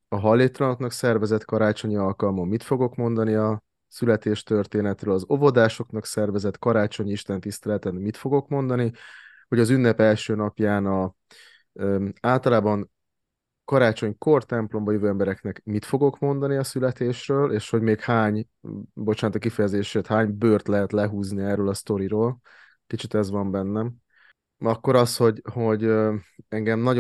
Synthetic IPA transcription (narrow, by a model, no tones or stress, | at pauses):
ɒɦɒlːeːt̪lɒnoknɒksɛrvɛzɛt̪kɒɾaːt͡ʃo̞ɲiɒlkɒlmomːit̪fo̞ɡo̞kmo̞nd̪ɒniɒ | sylɛt̪eːʃt̪ø̞rt̪eːnɛt̪røːlɒzo̞vo̞d̪aːʃo̞knɒksɛrvɛzɛt̪kɒɾaːt͡ʃo̞ɲiʃt̪ɛnt̪ist̪ɛlɛt̪ɛnmit̪fo̞ɡo̞kmo̞nd̪ɒni | ho̞ɟɒzyn̪ːɛpɛlʃøːnɒpjaːnɒ | aːlt̪ɒlaːbɒn | kɒɾaːt͡ʃo̞ɲko̞rt̪ɛmplo̞mbɒjøvøːɛmbɛɾɛknɛkmit̪fo̞ɡo̞kmo̞nd̪ɒniɒsylɛt̪eːʃrøːlʔeːʃho̞ɟmeːkhaːɲ | bo̞t͡ʃaːnt̪kːifɛjɛzeːʃeːt̪haːɲbøːrt̪lɛɦɛt̪lɛɦuːzniɛrːøːlɒst̪o̞ɾiɾoːl | kit͡ʃit̪ɛzʋɒmbɛnːɛm | ɒkːo̞ɾɒsho̞ɟho̞ɟøɛŋɡɛmnɒɟ